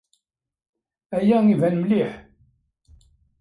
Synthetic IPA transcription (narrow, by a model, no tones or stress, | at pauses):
æjæivænmliħ